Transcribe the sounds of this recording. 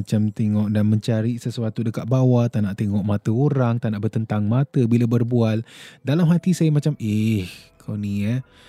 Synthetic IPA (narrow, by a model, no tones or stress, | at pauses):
at͡ʃamt̪eŋɔʔdanməɲt͡ʃaɾiʔsəsuat̪udəkat̪̚bawat̪anaʔt̪eŋɔʔmat̪əoɾaŋt̪anaʔbərt̪ənt̪aŋmat̪əbilabərbualdalamɦat̪isajamat͡ʃamihkʰowniə